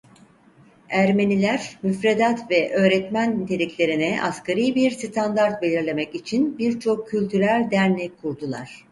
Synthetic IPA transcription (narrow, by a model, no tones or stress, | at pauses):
æɾme̞nilʲæɾmyfɾed̪at̪vɛʔø̞ːɾɛt̪mænt̪ʰe̞lʲiclʲe̞ɾinɛʔa̰skʰaɾijbiɾst̪ʰand̪aɾt̪̚be̞lʲiɾlʲe̞mɛcit͡ʃʰinbiɾt͡ʃʰo̞kʰːylʲt̪ʰyɾælʲd̪æɾnʲɛkʰːuɾd̪ulˠa̰ɾ̥